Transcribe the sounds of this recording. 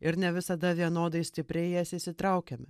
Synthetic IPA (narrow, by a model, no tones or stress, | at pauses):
ɪɾnʲɛʋʲɪsɐd̪ɐʋʲiɛnoːd̪ɐɪsʲt̪ʲɪpʲɾʲɛɪjɛːsʲɪsʲɪt̪ɾɐʊkʲɛmʲɪ